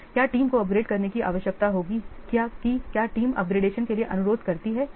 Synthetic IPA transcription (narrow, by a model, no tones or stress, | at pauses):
kjaːʈiːmkoɐp̚ɡɾeːɖkɐɾnekiʔa̰ːʋəʃjək̚t̪aɦoːɡikjaːkikjaːʈiːmɐ̰p̚ɡɾeːɖeːʃənkelieʔɐnʊɾoːd̪ʱkɐɾt̪iɦɛː